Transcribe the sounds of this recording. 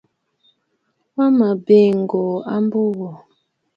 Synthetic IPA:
wa˦ma˨be˦˨ŋ˨ɡo˨a˦m˦bo˦wɔ˨

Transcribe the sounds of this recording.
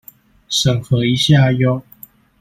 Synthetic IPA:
ʂə˨˩ŋxɤ˨˦i˧˦ɕja˥˨jo˥˦

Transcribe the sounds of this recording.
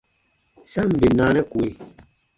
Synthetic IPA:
sa˦˨m̩˨be˨naː˨˦nɛ˦kwe˨

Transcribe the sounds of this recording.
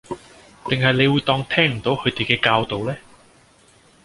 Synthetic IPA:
t̪ɪ˨ŋɦɐ˨jne˨˧jwuː˨˧jt̪ɔː˧ŋt̪ʰɛː˥ŋm̩˨˩t̪o˨˥whʰɵ˨˧ɥt̪e˨jkɛː˧kaː˧wt̪o˨wlɛː˥

